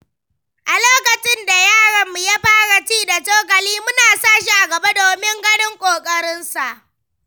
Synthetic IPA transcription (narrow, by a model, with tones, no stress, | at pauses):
ʔa˨loː˦kɐ˨t͡ʃɪ˦nda˨jaː˦ɽɐ˨mːu˨ja˦ɸaː˦ɽa˨t͡ʃiː˦da˨toː˦k̬ɐ˨liː˦mʊ˦naː˨saː˦˨ʃ̬i˦ʔa˨ɡɐ˨ba˦doː˨mɪ˦ŋɡɐ˦ɽɪ˦ŋkʷʼoː˨kʼɐ˦ɽɪ˦nsa˨ʔ